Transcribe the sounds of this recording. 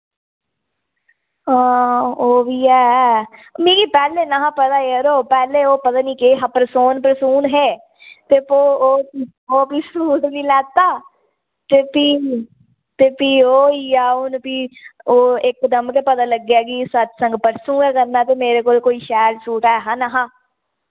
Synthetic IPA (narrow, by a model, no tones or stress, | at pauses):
ãːoːʋiːɛː | mĩːɡiːpɛːleːnaɦãːpət̪aːjəɾoːpɛːleːoːpət̪aːnĩːkeɦãpəɾsoːnpəɾsuːnɦɛː | t̪eːpoːoːpi | oːpiːsuːʈnĩːlɛːt̪aː | t̪eːpiː | t̪eːpiːoːiːaːʊnpiːoːɪkd̪əmkepət̪aːləɡaːɡiːsət̪sə̃ŋɡpəɾsũːɡãːkəɾnaːt̪eːmeːɾeːkoːlkoːiːʃɛːɾsuːʈaːɦãːnaɦãː